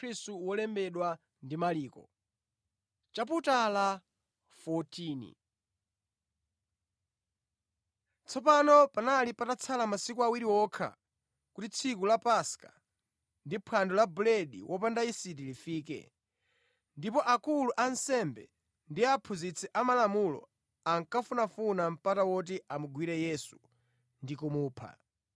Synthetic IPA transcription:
ɾistuwɔlɛmbɛɗwa | ndimaliːkɔ̰ | t͡ʃap̬utala | fɔtiːnḭ | t͡sʰɔpanɔpanalipatat͡sʰalamasikuawiɾiwɔkʰa̰ | kutit͡sʰikulapaska | ndipʰwandɔlabulɛɗḭwʔɔp̬andaisit̬ilifiːk̬ɛ̰ | ndipɔʔakuluʔansɛmbɛ̰ | ndiapʰuzit͡sʰɛʔamalamulɔ̰ | aŋkafunafunam̩patawɔt̬iʔamuɡwiɾɛjɛsu | ndikumuːpʰa̰

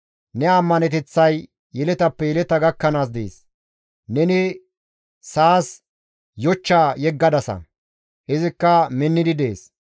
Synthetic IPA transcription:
nɛɐmːɐnɛt̪ɛt͡sːɐj | jɛlɛt̪ɐpːɛjɛlɛt̪ɐɡɐkːɐnaːs̬d̪ḛːs | nɛnɪ | saːs | jɔt͡ʃːaːjɛɡːɐd̪ɐsɐ̰ | hɪzɪkːɐmɪnːɪd̪ɪd̪e̞ːs

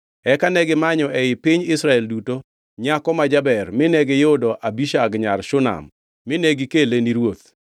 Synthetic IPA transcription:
ɛkanɛɡɪmaɲɔʔɛɪpiɲɪsɾaɛlduto | ɲakɔmad͡ʒabɛrmɪnɛɡɪjodɔʔabiʃaɡɲarʃʊna̰mː | ɪneɡɪkeleniɾwot̪̚

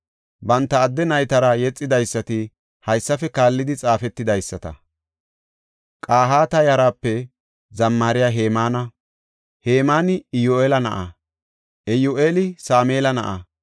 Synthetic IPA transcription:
bɐnt̪ːɐːd̪ːɛnɐjt̪ɐɾɐjɛt͡sʼːɪd̪ɐjsːɐt̪ɪ | hɐjsːɐfɛkaːlːɪd̪ɪt͡sʼaːfɛt̪ːɪd̪ɐjsːɐt̪ɐ̰ | kʼaːɦaːt̪ɐjɐɾaːpːɛ | zɐmːaːɾɪjaːɦeːmaːnɐ | heːmaːnɪɪjoeːlɐnɐ̰ʔɐ | ʔɛjoʔeːlɪsaːmeːlɐnɐ̰ʔɐ̰

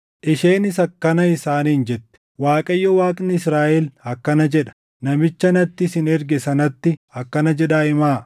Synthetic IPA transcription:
ʔɪʃeːnɪsɐkːɐnɐɪsaːniːnd͡ʒɛt̪ːɛ̥waːkʼɐjːɔwaːkʼnɪɪsɾaːʔɛlhɐkːɐnɐd͡ʒɛᶑɐ̥ | nɐmɪt͡ʃːɐnɐt̪ːɪsɪnɛɾɡɛsɐnɐt̪ːɪhɐkːɐnɐd͡ʒɛᶑaːʔɪmaː

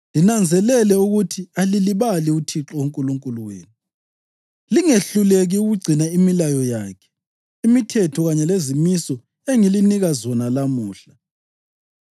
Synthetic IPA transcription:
linand͡zʱɛlɛlɛuɣutʰialiliβaliutʰiǁɔuŋkʼuluŋkʼuluwḛːnu | liŋeɬuleɣiuɣuɡ͡ǀʱinaimilajɔjaːkʰɛ̥ | imitʰɛtʰɔɣaɲɛlezimisɔ | eŋiliniɣazɔnalamuːɬa

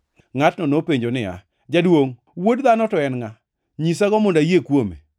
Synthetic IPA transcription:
ŋatnɔnopeɲd͡ʒonɪa̰ | d͡ʒadwoŋ | wodðanɔtɔɛnŋa | ɲis̬aɡɔmʊndajekwomḛ

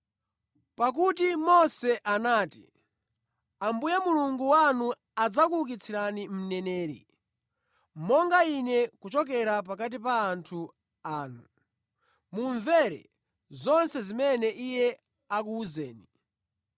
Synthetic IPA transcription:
pak̬utimɔsɛʔanaːti̥̰ | ambujamuluŋɡuwanu | ad͡zakuluk̬it͡sʰiɾanim̩nɛnɛːɾḭ | mɔŋɡainɛkut͡ʃɔk̬ɛɾap̬ak̬at̬ipaːntʰu | aːnu | muɱvɛɾɛ̰ | zɔnsɛzimɛnɛʔijɛ | ak̬uːzɛːni

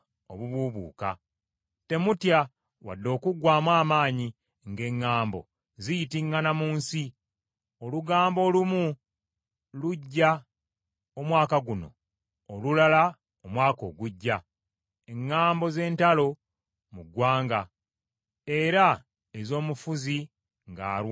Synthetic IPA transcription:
oβuβuβṵːka̰ | te̞mutja | wa̰dːo̞ːkuɡwaːmwaːmaːɲi | ŋɡe̞ŋːaːmbo̞̰ | zijitiŋɡanamuːnsi | o̞luɡaːmbo̞ːlumu | luɟːa | omwaːkaɡuno̞̰ | olulala | omwaːko̞̰ːɡuɟːa | e̞ŋːaːmbo̞ze̞ːntalo̞ | muɡwaːŋɡa | e̞ɾa | ezo̞ːmufuzi | ŋɡa̰ːɾw

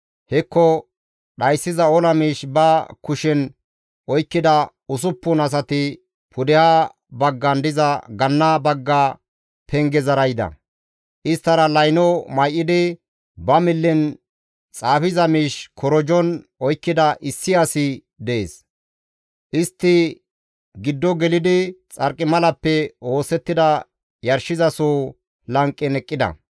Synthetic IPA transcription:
hɛkːɔ | ɗɐjsːɪzɐɔlɐmiːʃbɐkʊʃɛn | ʔɔjkːɪd̪ɐ | ʊs̬ʊpːʊnɐs̬ɐt̪ɪ | pʰʊd̪ɛhaː | bɐɡːɐnd̪ɪzɐɡɐnːaːbɐɡːaː | pʰɛŋɡɛzɐɾɐjd̪ɐ̰ | ʔɪst̪ːɐɾɐlɐjnɔmɐjʔːɪd̪ɪ | bɐmɪlːɪn | t͡sʼaːfɪzɐmiːʃkɔɾɔd͡ʒɔnɔjkːɪd̪ɐʔɪsːɪɐsɪ | d̪ɛʔḛːs | ʔɪst̪ːɪ | ɡɪd̪ːɔɡɛlɪd̪ɪt͡sʼɐɾkʼːɪmɐlɐpːɛo̞ːsɛt̪ːɪd̪ɐ | jɐɾʃɪzɐsoː | lɐŋkʼːɪnɛkʼːɪd̪ɐ̰

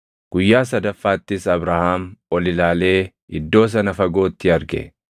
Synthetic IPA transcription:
ɡ̥ʊjːaːs̬ɐd̪ɐfːaːt̪ːɪsɐbɾahaːmɔlɪlaːle̞ː | ɪd̪ːo̞ːs̬ɐnɐfɐɡo̞ːt̪ːɪɐɾɡɛ̰

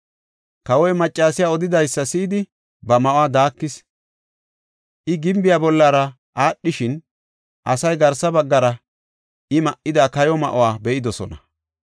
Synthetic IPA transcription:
kɐwɔjmɐt͡ʃʼːaːsɪjaːɔd̪ɪd̪ɐjsːɐsiːd̪ɪ | bɐmɐʔowaːd̪aːkːɪs | ʔɪɡɪmbɪjaːbɔlːaːɾɐ | ʔaːɗːɪʃɪn | ʔɐsɐjɡɐɾsɐbɐɡːɐɾɐ | ʔɪmɐʔɪd̪aːkɐjɔmɐ̰ʔowaːbɛʔɪd̪ɔsɔ̰nɐ

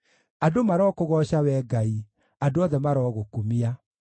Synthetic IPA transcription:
adomaɾɔːkoɣɔɕawɛɡai | adoɔðɛmaɾɔːɣokumia

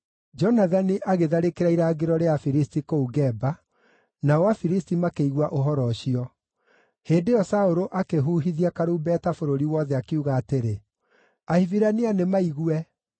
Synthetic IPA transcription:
d͡ʒɔnaðaniʔaɣeðaɾekeɾaiɾaːɡeɾɔɾeafiɾistikouɡɛba | naɔwafiɾistimakeiɣwaʔoɦɔɾɔɕiɔ | heːndeɔsaoɾoʔakeɦuːɦiðiakaɾuːbɛtafoɾoɾiwɔðɛakeuɣaːteɾe | ahiviɾanianemaiɣuɛ

